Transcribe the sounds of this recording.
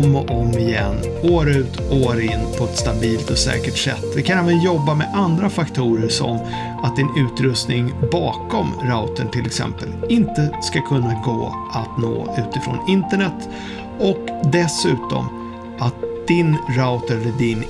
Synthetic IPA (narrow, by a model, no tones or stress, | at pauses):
mɔʔɔmɪjɛ̰nː | oːɾʉ̟ːt̪oːɾɪnːpʰɔɛt̪st̪abiːlt̪ɔsɛ̰ːkəʈʂɛ̰t̪ːd̪ɪkʰanɛːvənjɔbːamɛʔand̪ɾafakt̪ʰuːɾəʂɔ̰m | at̪̚d̪ɪnʉ̟ːt̪ɾɵst̪nɪŋbɑːkɔmɾaʊt̪ənt̪ʰɪlɛksɛ̰mpəlɪnt̪əskakʰɵnːaɡo̰ː | ʔat̪no̰ːʉ̟ːt̪ɪfɾo̰ːnɪnt̪əɳɛt̪ː | ɔkd̪ɛsʉ̟ːt̪ɔ̰m | ʔat̪̚d̪̥ɪnɾaʊt̪ɛləɖɪn